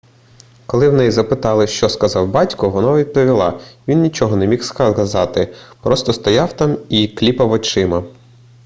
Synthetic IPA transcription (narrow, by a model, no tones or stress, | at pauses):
kɔlˠɪwnɛjzɐpɪt̪ɑlˠɪʃt͡ʃɔskɐzɑwbɑtʲkɔʋɔnɑʋʲid̪̚pɔʋʲilˠɑ̰ʋʲinnʲit͡ʃɔɦɔnɛmʲixskɐzɑt̪ɪpɾɔst̪ɔst̪ɔjɑwt̪ɑmiklʲipɐwɔt͡ʃɪmɐ